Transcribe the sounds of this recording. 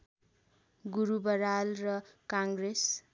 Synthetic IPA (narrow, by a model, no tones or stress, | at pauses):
ɡuɾubʌɾalrʌkaŋɡɾes